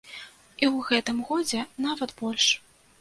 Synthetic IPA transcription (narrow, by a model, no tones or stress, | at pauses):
iwɣɛt̪ɨmɣɔd͡zʲɛnavɐt̪bɔlʲʂ